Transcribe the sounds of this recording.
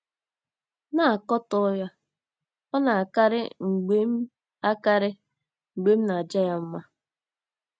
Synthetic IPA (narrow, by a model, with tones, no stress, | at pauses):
na˦˨a˨kɔ˦tɔ˦ja˦ | ɔ˦na˨a˨ka˦ɾɪ̰˦ŋ̩˨ɡ͡be˦m̩˦ | a˦ka˦ɾɪ˦ | ŋ͡m̩˨ɡ͡be˦m̩˦na˨d͡ʒa˦ja˦m̩˦ma˦